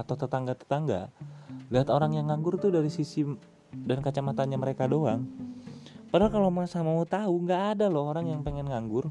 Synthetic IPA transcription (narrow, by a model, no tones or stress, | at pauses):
at̪awt̪ət̪aŋɡat̪ə̥t̪aŋɡaliɦat̪oɾaŋjaŋːaŋɡʊrt̪ʊdaɾisisi | dankat͡ʃamat̪anɲaməɾekadoaŋ | pəɾakalomasahmaut̪auŋɡaːdalɔhoɾaŋjaŋpeŋɛnŋaŋɡʊr